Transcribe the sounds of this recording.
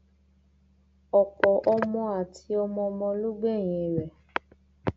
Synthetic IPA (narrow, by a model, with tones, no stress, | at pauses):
ɔ˨k͡pɔ˨ʔɔ˧mɔ̃˧a˨tʰi˧ɔ˧mɔ̃˧mɔ̃˧lu˦ɡ͡be˦˨j̃ĩ˨ɾɛ˨